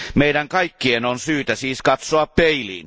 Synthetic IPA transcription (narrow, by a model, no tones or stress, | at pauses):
meidæŋkɑikːienonsyːt̪æsiːskɑt̪soɑppeilḭːn